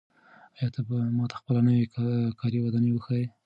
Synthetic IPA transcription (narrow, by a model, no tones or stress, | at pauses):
ɑjɑt̪ʰabamɑt̪ḁxpəlanəwekʰɑɾiwad̪ɑnewəxaje